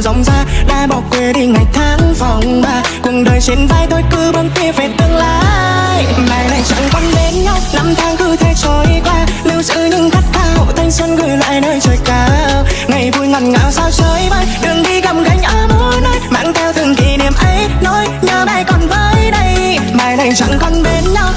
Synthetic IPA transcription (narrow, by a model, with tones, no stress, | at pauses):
za˨˩wŋ͡mzaː˧ɗa̰ː˧ɓɔ˨˩kwi˨˩ɗ̪i˧˩ŋa˨˩j̚t̪ʰaː˨˦ŋfɔ˨˩wŋ͡mɓaː˧˩ | kʊ˨˩ŋɗəː˨˩jsi˨˦nvaː˧˩jt̪o˧jkɨ˧ɓə˧nki˧əve˨˩t̪ɨ˧əŋla̰aː˧˨jɓaː˨˩jna˨˩jt͡ɕa̰˧˥ŋkɔ˧nɓe˨˦nɲa˧wna˧mt̪ʰaː˨˦ŋkɨ˧t̪ʰe˧t͡ɕo˨˦jkwaː˧li˧wsɨ̰˧˥ɲɨ̰˧˥ŋxa˦˥t̚xaː˧ho̰˧˨t̪ʰa˧jŋ̟swə˧nɣə˧˨˩jla̰ː˧˨jnəː˧jt͡ɕəː˨˩jkaː˨˦wŋa˨˩jvu˧jŋə˨˩t̚ŋa̰ː˧˩wsaː˧wt͡ɕəː˨˦jvaː˧˩jɗɨ˨˩əŋɗi˧ɣə˨˩m̚ɣa˨˩jŋ̟ʔəː˧˩mu˧jno˧jma̰ː˧˥ŋt̪ʰɛ˧wt̪ʰɨ˨˩əŋki˨˩ni˨˩əmʔa˧˦jno˧˥jɲəː˧na˧˩jkɔ˨˩nvəː˨˦jɗə˧j | ɓaː˨˩jna˨˧˩jt͡ɕa̰˧˥ŋkɔ˧˩nɓe˨˦nɲa˧w